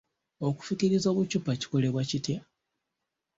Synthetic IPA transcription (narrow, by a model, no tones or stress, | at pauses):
o̞ku̥fukiɾizo̞ːβucupaci̥ko̞le̞βwacitja